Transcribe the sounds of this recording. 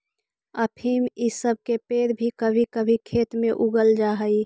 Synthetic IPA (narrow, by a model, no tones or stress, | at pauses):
ɐpʰimɪsəb̚ʱkepeːɾbʱikəbʱikəbʱikʰeːt̪mẽʔʊɡəld͡ʒaːɦəi